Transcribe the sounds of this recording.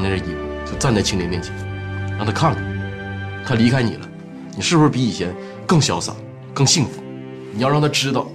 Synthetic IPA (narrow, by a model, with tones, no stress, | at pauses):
n˧˥ɻ̩ə˥˩i˧˥˩t͡ɕo˥˧ʊt͡sa˥˧nt͡sa˥˩ɪt͡ɕʰi˥ŋljɛ˧˥nmjɛ˥˩nt͡ɕʰjɛ˧˥n˧˥˧t̪ʰa˥kʰa˥˩ŋni˨˩˦t̪ʰa˥li˧˥kʰa˥ɪnḭ˨˩lə˦ | ni˨˩ʂɻ̩˥˩pu˧ʂɻ̩˥˧pi˧˥i˨˩t͡ɕʰjɛ˧˥n | kɤ˥˩ŋɕjɑ˧˥ʊsa̰˨˩˦ | kɤ˥˧ŋɕi˥˩ŋfu̥˨˧˥ | ni˨˩jɑ˥˧ʊɻɑ˥˧˩t̪ʰa˥˧ʈ͡ʂɻ̩˥t̪ɑ˥˩ʊ